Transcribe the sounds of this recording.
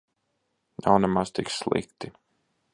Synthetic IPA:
na̰wnɛmaz̥t̪iksslˠḭkt̪i

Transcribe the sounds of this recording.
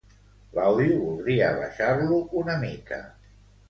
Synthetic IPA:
lawðiuβulˠd̪ɾiə̰β̞a̰ʃaɾluunəmikə̰

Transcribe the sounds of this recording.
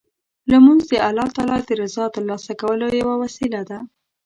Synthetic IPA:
lamunzd̪əalɑt̪ɑlɑd̪əɾɪzɑt̪əɾlɑsakawəlojawawasilad̪a

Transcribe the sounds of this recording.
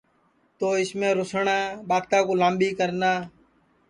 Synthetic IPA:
t̪oːɪsmẽːɾʊsɳaːɓaːt̪aːkoːlãːmɓiːkəɾnaː

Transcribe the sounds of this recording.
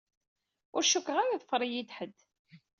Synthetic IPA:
ʊɾʃukːʁaɾaðəfəɾˤijid̪ħəd̪ː

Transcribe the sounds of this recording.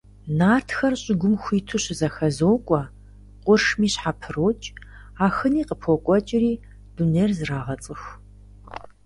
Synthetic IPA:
naːrtʰxɐrɕʼɪɡʷʊmxʷiːtʰuɕɪzɐxɐzoːkʷʼɔ | qʷʼʊrʂmiːɕħapʰɨroːt͡ʃʼ | aːxɨniːqəpʰokʷʼɔt͡ʃʼɪriː | d̥uneːrzɨraːʁɐt͡sʼɨx

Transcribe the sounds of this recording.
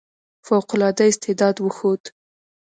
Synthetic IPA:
fawqʊlɑd̪aɪst̪ɪd̪ɑd̪wəxod̪

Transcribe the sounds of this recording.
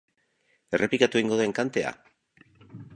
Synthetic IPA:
e̞re̞plikat̪ueiŋɡo̞ðeŋkant̪e̞a̰

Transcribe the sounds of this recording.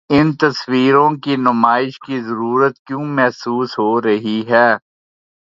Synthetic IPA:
ɪnt̪ɐswiːɾõkinʊmaːɪʃkizɐɾuːɾət̪̚kjõːmɛɦsuːsɦoɾɐɦiɦɛː

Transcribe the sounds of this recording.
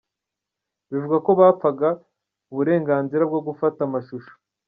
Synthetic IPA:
βivuɡako̞βaːpp͡faɡa | uβuɾe̞ːŋɡaːnziɾab̚ɡo̞ɡufatamaʃuʃo̥

